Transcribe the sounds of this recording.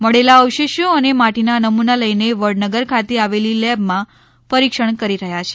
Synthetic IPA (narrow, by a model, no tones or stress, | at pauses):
məɽelaəwʃeʃjoənemaʈinanəmunaləjneʋəɽnəɡəɾkʰat̪eaʋelilɛbmã | pəɾikʃəɳkəɾiɾəɦjat͡ʃʰe̥